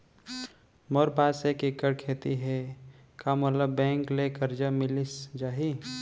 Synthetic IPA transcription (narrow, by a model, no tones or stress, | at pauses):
mɔɾbaːsekɪkəɽkʰeːt̪iɦɛ | kamət̪ləbːɛ̃ːŋklekəɾd͡ʒamɪlisd͡ʒaːɦi